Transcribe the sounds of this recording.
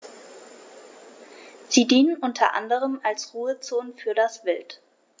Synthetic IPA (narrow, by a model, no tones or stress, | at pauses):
z̥iːdiːnənʔʊntʰɐ̰ʔa̰ndəʁ̞əmalsʁuːət͡soːnfyːɐdasv̥ɪlt